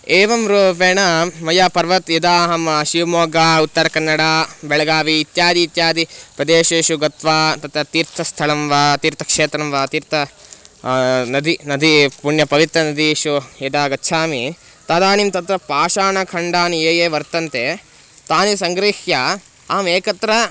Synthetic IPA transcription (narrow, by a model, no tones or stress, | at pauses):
eːʋɐmɾuːpeːɳɐmɐjaːpɐɾʋɐt̪jɐd̪aːɦɐmɐʃiʋmoːɡaːut̪ːɐɾɐkɐnːɐɽaːbɛɭɐɡaːʋiːt̪jaːd̪iːt̪jaːd̪ipɾɐd̪eːʃeːʃuɡɐt̪ʋaːt̪ɐt̪ɾɐt̪iːɾt̪ʰɐst̪ʰɐɭɐmʋaːt̪iːɾt̪ʰɐ̥kʂeːt̪ɾɐmʋaːt̪iːɾt̪ʰɐ | nɐd̪ʱinɐd̪ʱipuɳjɐpɐʋit̪ɾɐnɐd̪ʱiʃujɐd̪aːɡɐtːʃʰaːmi | t̪aːd̪aːnimt̪ɐt̪ɾɐpaːʃaːnɐkʰɐɳɖaːnieːjeːʋɐɾt̪ɐnt̪e | t̪aːnisɐŋɡɾiːhja | aːmeːkɐt̪ɾɐ